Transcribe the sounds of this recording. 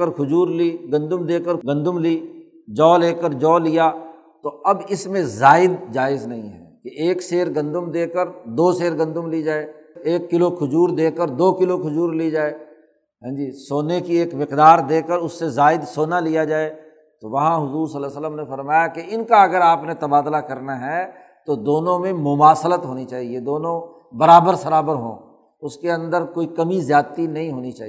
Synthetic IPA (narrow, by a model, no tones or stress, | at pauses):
əɾkʰʊd͡ʒuːɾliɡɐ̃nd̪ʊmd̪eːkəɾɡɐ̃nd̪ʊmliː | d͡ʒɔːleːkəɾd͡ʒɔːlijaː | t̪oɐbɪsmẽzaːɪd̪̚d͡ʒaːɪznɐɦĩɦɛ̰ːkeʔeːkseːɾɡɐ̃nd̪ʊmd̪eːkəɾd̪oːseːɾɡɐ̃nd̪ʊmlid͡ʒaːeːeːkːɪlokʰʊd͡ʒuːɾd̪eːkəɾd̪oːkɪlokʰʊd͡ʒuːɾlid͡ʒaːeː | ɦɛ̃ːd͡ʒisoːnekieːkmɪqd̪aːɾd̪eːkəɾʊsːezaːɪd̪soːnalijad͡ʒaːe | t̪oʋɐɦãɦʊzuːɾsəlːasələmnefɐɾmaːjakeɪnkaɐɡəɾaːpnet̪ɐbaːd̪lakɐɾnaɦɛ | t̪od̪oːnõmẽmʊmaːsələt̪ɦoːnit͡ʃaːɦied̪oːnõ | bɐɾaːbəɾsɐɾaːbəɾɦõ̰ː | ʊskeɐ̃nd̪əɾkoːikɐmizjaːt̪inɐɦĩɦoːnit͡ʃaːɦi